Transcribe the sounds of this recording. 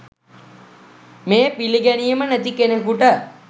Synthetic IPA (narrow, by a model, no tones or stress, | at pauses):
meːpiliɡænijəmənæt̪ikenəkuʈə